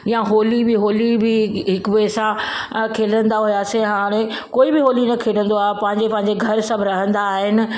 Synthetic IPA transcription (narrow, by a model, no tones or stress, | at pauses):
jãɦoːlibɪɦoːlibɪɦɪkʋeːsã | kʰeːlə̃nd̪aɦʊjaːsẽɦaːɽ̃ẽ | koːibɪɦoːlinɐkʰeːlə̃nd̪oaːɦepɐ̃ɦɪ̃ɲd͡ʑepɐ̃ɦɪ̃ɲd͡ʑeɡʱɐɾsɐbʱɪɾɐɦə̃nd̪aːɦɪnɪ̆